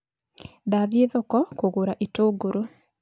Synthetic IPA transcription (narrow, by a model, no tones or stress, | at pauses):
ðaðjeðokɔkoɣoɾaʔitoːɡoɾo